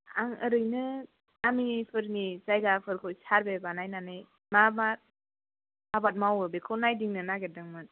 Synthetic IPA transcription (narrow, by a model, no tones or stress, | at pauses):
aŋɯɾɯjnɯ | amipʰɯɾnisajɡapʰɯɾkʰɯjsaɾbebanajnanɯj | mabat̚ | mabat̚mawɯbekʰɔwnajdiŋnɯnaɡet̚dɯŋmɯn